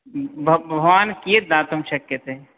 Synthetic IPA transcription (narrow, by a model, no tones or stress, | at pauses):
bʱɐbʱʋaːnkiət̪̚d̪aːt̪əmʃɐkjət̪ɦe